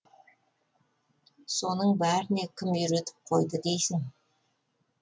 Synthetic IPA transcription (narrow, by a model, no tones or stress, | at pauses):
so̞nəɴbæɾɪne̞kʲʰɪmjʏɾe̞t̪ɪ̥p̚qʰo̞jd̪əd̪e̞jsɪŋ